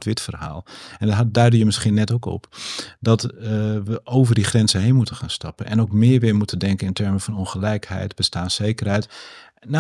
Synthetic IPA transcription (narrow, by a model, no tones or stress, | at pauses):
tʋɪtfərɦa̰ːlˠɛndɦ̚dœɥdəjəmɪsχinɛtoːkɔ̰pdɔtʋəoːvərdiχrɛnzəɦejnmutənxaːnstɑpənʔɛnoːkmɪːʋɪɹmutʰəndɛŋkənɪntʰɛɹməfɔnonχəlɛjkhɛ̰jtb̥əstaːnseːkərhɛjt | n